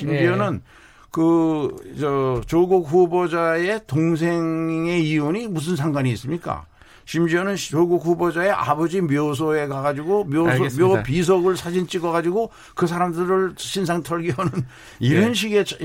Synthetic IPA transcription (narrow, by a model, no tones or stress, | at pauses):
ɕʰimd͡ʑionɯn | kɯt͡ɕʌt͡ɕoɡuk̚hubod͡ʑae̞toŋs̬ʰe̞ŋe̞ioɲimus̬ʰɯnsʰaŋɡwaɲiːs͈ɯmɲik͈a̰ | ɕʰimd͡ʑionɯnt͡ɕoɡuk̚hubod͡ʑae̞ʔa̰bʌd͡ʑimjos̬ʰoe̞kaɡad͡ʑiɡomomjopis̬ʰoɡɯɭsʰad͡ʑint͡ɕ͈iɡʌɣad͡ʑiɡo | kɯs̬ʰaɾamdɯɾɯɭɕʰins̬ʰaŋtʰʌɭɡiʌnɯn | iɾʌnɕ̬ʰiɡe̞